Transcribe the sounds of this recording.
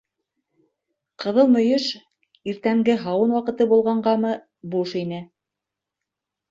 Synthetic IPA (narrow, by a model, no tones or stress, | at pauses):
qɤ̆ðɤlˠmɵ̆jɵʃ | iɾt̪æŋɡɘɦɑwɤnwɑqɤ̆t̪ɤbulˠʁɑɴɢɑmɤ | buʃinɘ